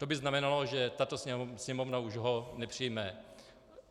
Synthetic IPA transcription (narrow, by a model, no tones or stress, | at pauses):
t̪obɪznamɛnaloʒɛt̪at̪ossɲɛmovnauʒɦonɛpr̝̥ijmɛ